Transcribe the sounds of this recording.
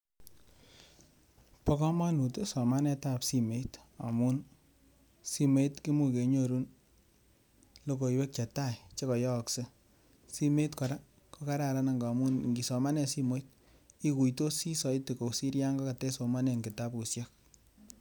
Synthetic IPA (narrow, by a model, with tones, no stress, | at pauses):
pɔ˦kɔ˦ma˦nu˨te˦sɔ˨ma˦nɛ˦ta˦psi˦me˨˦ta̰˨mu˦n | si˦me˦itki˦mu˨ke˨ɲo˦˨ɾu˦n | lo˦ko˨i˨we˦k̚t͡ʃa˨ta˦˨jt͡ʃe˦kɔ˨jɔ˦˨kse˦ | si˦me˦tkɔ˨ɾa˦ | ko˦ka˦ɾa˨ɾa˦na˨ŋɡmu˦nŋɡi˨sɔ˨ma˦nɛ˨si˦mo˦it̚ | i˦ku˨jto˦si˦sɔ˨jte˨ko˨si˦ɾja˦ŋɡɔ˦ka˨tɛ˦so˨ma˦nɛ˨ŋɡɪ˨ta˦pu˨sjɔ˦k̚